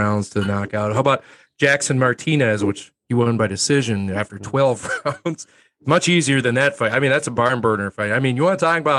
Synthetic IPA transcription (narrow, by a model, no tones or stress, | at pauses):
ãʊ̃ndz̥tʰɨnɑkaʊt̚haʊəbaʊt̚ | d̥ʒ̥æksɨ̃nmɑɹtʰinɨzwɨt͡ʃ | hiwɛ̃nbaɪdɨsɪʒɨ̃næftə˞tʰw̥ɛlˠvɹãʊ̃ndz̥ | ɨsmʌt͡ʃiziə˞ðɨ̃nðɨtfaɪaɪmĩnðætsəbɑɹnbɜ˞dⁿnə˞faɪtaɪmĩnjɨwɑ̃ntʰɔkɪ̃ŋəbaʊt̚